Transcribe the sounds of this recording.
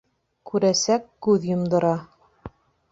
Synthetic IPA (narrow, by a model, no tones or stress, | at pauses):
kʉɾæsækːʉðjŏmd̪ɤ̆ɾɑ